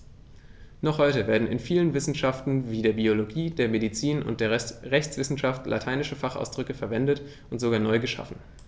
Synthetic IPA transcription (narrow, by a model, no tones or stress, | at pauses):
nɔχhɔʏtəveːɐdn̩ɪ̰nfiːlənvɪsn̩ʃaftn̩viːdeːɐbioloɡiːd̥eːɐmedit͡siːnʊ̰nt̚d̥eːɐʁɛçt͡sv̥ɪsn̩ʃaftlʔa̰tʰaɪnɪʃəfaχa̰ʊsd̥ʁʏkəfɛɐvɛndət | ʔʊntz̥oɡaːɐnɔʏɡəʃa̰fn̩